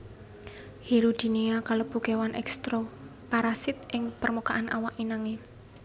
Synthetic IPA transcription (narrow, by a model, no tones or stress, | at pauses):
hiɾud̪̥i̤niakalob̥ṳkewanʔɛ̰kst̪ɾopaɾasɪt̪̚ʔɪŋpərmukaʔanʔa̰waʔinaŋe